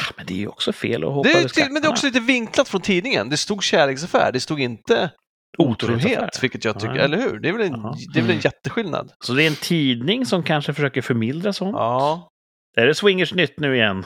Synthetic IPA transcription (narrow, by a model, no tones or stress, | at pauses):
mɛnd̪ɛ̰ːɾjʉɔ̰ksɔfḛːlɔ̰hɔd̪ɛɛt̪ʰmɛnd̪ɛɔkssɔliːt̪əvɪŋklat̪fɾɔnt̪ʰiːd̪nɪŋə̰nd̪ɛst̪uːɡɕæːɭeːksafæ̰ːɖɛst̪uːɡɪnt̪ə | uːt̪ʰɾɾuːɦeːt̪vɪlkːət̪jɑːt̪ʏkːə̰ɾɛlːəɾhʉ̟̰ːɖɛævɛlɛnd̪ɛvɛlɛnjɛt̪ːəɧɪlna̰d̪sɔd̪ɛæɾɛnt̪ʰiːd̪nɪŋsɔmkʰanʂəfœʂøːkəɾfœɾmɪld̪ɾasɔnɑː | d̪̥ææɾɛswɪŋːəʂnʏt̪ːnʉ̟ːɪjɛnː